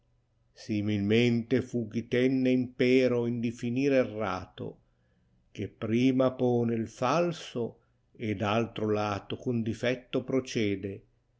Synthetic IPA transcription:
similment̪efuk̟it̪ɛnːeimpɛːɾoind̪ifiniːɾerːa̰ːt̪o̰ | k̟epːɾiːmapɔːneilfalso | ed̪alt̪ɾolaːt̪okund̪ifɛt̪ːopɾot͡ʃɛːd̪e

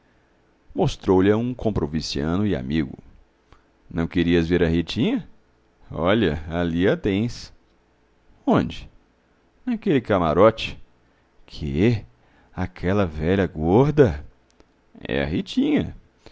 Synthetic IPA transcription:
most̪ɾowlɐũkõpɾovisiɐ̃nʊɪa̰miɡʊ̰ | nɐ̃w̃keɾiɐzveɾɐhit͡ʃĩɲɐ | ɔʎɐaliɐt̪ẽj̃s | õd͡ʒɪ̥ | nɐkelɪkamaɾɔt͡ʃɪ̥ | kʰɪɛ | akʰɛlɐvɛʎɐɡɔɾd̪ɐ | ɛ̰ɐ̰ɦit͡ʃĩɲɐ̰

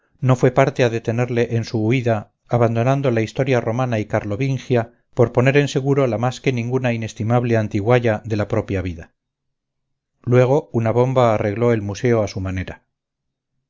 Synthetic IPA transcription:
no̞fwe̞paɾt̪e̞aðe̞t̪e̞ne̞ɾle̞ʔensuːiðaː | βand̪o̞nand̪o̞laist̪o̞ɾjaro̞manaikaɾlo̞βiŋxja | po̞ɾpo̞ne̞ɾe̞nse̞ɣuɾo̞lamaske̞nĩŋɡunaine̞st̪imaβle̞ant̪iɣwaʝaðe̞lapɾo̞pjaβ̞iða | lwe̞ɣ̞o̞unaβ̞o̞mbaːre̞ɣlo̞e̞lmuse̞oasumane̞ɾa

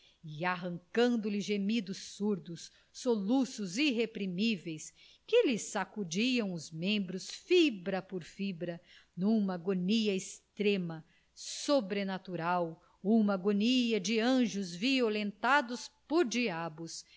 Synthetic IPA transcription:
iaɦɐ̃ŋkɐ̃nd̪ʊlɪʒemid̪ʊsːuɾd̪ʊsː | olusʊziɦepɾimivejs | kɪlɪsakud͡ʒiɐ̃w̃ʊzmẽmbɾʊsfibɾɐpoɾfibɾɐnũmɐɡoniɐɪst̪ɾẽmɐ | sobɾenat̪uɾaw | ũmɐɡoniɐd͡ʒɪɐ̃ʒʊzviolẽnt̪ad̪ʊspoɾd͡ʒiabʊs

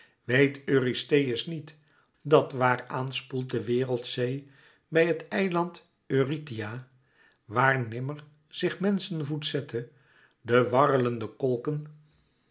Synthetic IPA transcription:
ʋejtøːristejəsnit | dɑtʋaːɹaːnspulˠt̚dəʋɪːrəlˠtsej | bɛjɦətɛjlɑnt | øːritija | ʋaːɹnɪməɹ | z̥ɪχmɛnsənvutsɛtʰə | dəʋɑrələndəkɔlˠkən

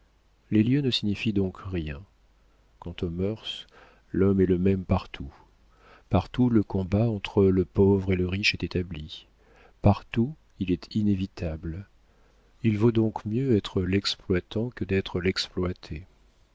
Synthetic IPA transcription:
leljønəsiɲifid̪ɔ̃kʁjɛ̃ | kɑ̃t̪omœʁs | lɔmɛləmɛmpaʁt̪ʰu | paʁt̪uləkɔ̃baɑ̃t̪χələpovʁeləʁiʃɛt̪et̪abli | paʁt̪u | ilɛt̪ʰinevit̪abl | ilvod̪ɔ̃kmjøɛt̪χəlɛksplwat̪ɑ̃kəd̪ɛt̪χəlɛksplwat̪ʰe

